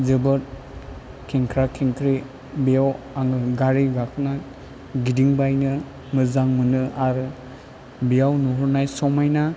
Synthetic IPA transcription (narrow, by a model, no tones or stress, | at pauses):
zɯbɯt̚ | kʰiŋkʰɾakʰiŋkʰɾi | bijaw | aŋɯɡaɾiɡakʰna | ɡidiŋbajnɯ | mɯzaŋmɯnɯʔaɾɯ | bijawnuɦuɾnajsɔmajna